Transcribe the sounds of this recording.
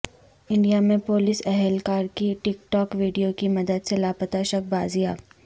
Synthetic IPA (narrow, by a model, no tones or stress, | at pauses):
ɪ̃ɳɖijamẽpoːlɪsɛɦɛlkaːɾkiʈɪkʈɔːkʋiːɖijokimɐd̪əd̪selaːpət̪aʃɐk̚baːzijaː